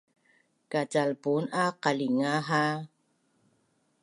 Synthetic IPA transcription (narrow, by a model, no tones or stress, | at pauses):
kat͡salpunaqaliŋaɦa